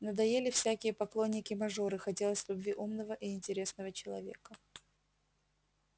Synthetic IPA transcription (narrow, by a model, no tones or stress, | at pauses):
nəd̪ɐjelʲɪfsʲækʲɪjəpɐklˠo̞nʲːɪkʲɪmɐʐo̞ɾɨxɐtʲe̞lˠəsʲlʲʊbvʲiʔumnəvəʔiɪnʲtʲɪɾʲe̞snəvət͡ɕɪlˠɐ̰vʲe̞̰kə